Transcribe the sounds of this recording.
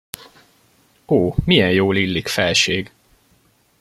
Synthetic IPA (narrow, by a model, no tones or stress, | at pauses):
oːmijɛnjoːlilːikfɛlʃeːɡ